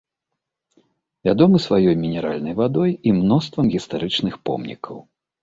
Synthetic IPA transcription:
vʲad̪ɔmɨsvajɔjmʲinʲɛɾalʲnɐjvad̪ɔjimnɔst̪vɐmɣʲist̪aɾɨt͡ʂnɨxpɔ̰mnʲḭkʰɐw

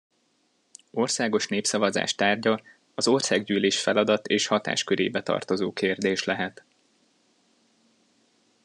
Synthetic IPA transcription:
o̞rsaːɡo̞ʃneːpsɒvɒza̰ːʃt̪aːrɟɒ | ɒzo̞rsaːɡɟyːleːʃfɛlɒd̪ɒt̪eːʃhɒt̪a̰ːʃkøɾḛːbɛt̪ɒ̰rt̪o̞zoːkeːrd̪eːʃlɛɦɛt̪

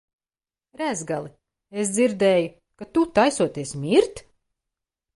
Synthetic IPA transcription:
ɾæzɡalˠi | es̬d̪ziɾd̪ɛːju | kat̪ut̪ajsuɔt̪iɛsmʲiɾt̪

